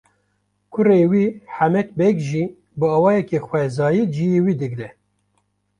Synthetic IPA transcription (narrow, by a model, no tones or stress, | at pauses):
kʰʊreːwiːħæmɛk̚bɛɡʒi | bɨɑːwɑːjɛkexwʷɛzɑːjid͡ʒijewiːd̪ɨɡɾɛ